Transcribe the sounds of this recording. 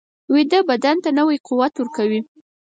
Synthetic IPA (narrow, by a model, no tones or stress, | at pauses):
wed̪əbad̪ant̪anəwajquwat̪wəɾkawi